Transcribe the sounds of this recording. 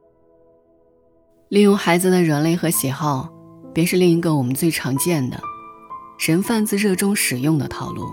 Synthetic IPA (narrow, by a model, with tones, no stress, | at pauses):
li˥˧jʊ˥˩ŋxa˧˥ɪd͡zɹ̩˧d̪ə˩ɻə˧˥nle˥˩ɪxɤ˧˥ɕjɛ˨˩xɑ˥˩ʊpjɛ˥˧nʂɻ̩˥˧li˥˩ŋi˧˥ɡə˧wɔ˨˩mə˦nt͡swe˥˩ɪʈ͡ʂʰɑ˧˥ŋt͡ɕjɛ˥˩nd̪ə̰˩ | ʂə˧˥nfa˥˧nt͡sɹ̩˥˧ɻɤ˥˩ʈ͡ʂʊ˥ŋʂɻ̩˨˩jʊ˥˩ŋd̪ə̰˩t̪ʰɑ˨˩ʊlṵ˥˩